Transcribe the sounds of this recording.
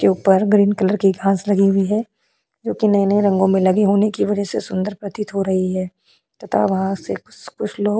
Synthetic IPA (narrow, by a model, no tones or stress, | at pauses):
keuːpəɾɡɾiːnkɐləɾkiɡʱãːslɐɡiɦʊiɦɛː | d͡ʒoːkinɐinẽɾɐ̃ŋɡõmẽlɐɡiɦoːnekiʋɐd͡ʒəsesʊ̃nd̪əɾpɾɐt̪ɪt̪ɦoɾɐɦiɦɛː | t̪ɐt̪ʰa̰ʋɐɦãsekʊt͡ʃkʊt͡ʃʰloːɡ